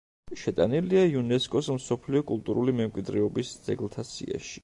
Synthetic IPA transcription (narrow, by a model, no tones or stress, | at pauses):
ʃɛt̪ʼaniliaiunɛskʼɔsmsɔpʰliɔkʼulˠt̪ʼuɾulimɛmkʼwid̪ɾɛɔbisd̪z̥ɛɡlˠt̪ʰasḭa̰ʃi̥